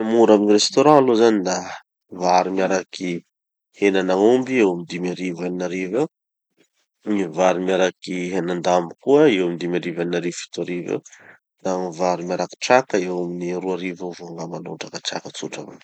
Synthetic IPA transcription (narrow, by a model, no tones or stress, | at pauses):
muɾaminirest̪oɾãlozanid̪a | vaɾimiaɾakʰi | henanaumbiewamid̪imiaɾivaninaɾive | nivaɾimjaɾakiɦenand̪ambikuəewamid̪imaɾivaninaɾivfi̥t̪uaɾivḛ | d̪aŋivaɾimjaɾaki̥ʈ͡ʂak̪aewaminiruaɾivavoaŋɡamano̰ɳʈ͡ʂakat͡ʃa̰kət͡suʈ͡ʂa̰va̰